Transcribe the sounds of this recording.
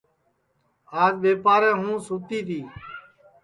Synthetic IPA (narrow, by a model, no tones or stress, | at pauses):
aːd͡ʒɓeːpaːɾɛ̃ːɦũːsuːt̪iːt̪ʰiː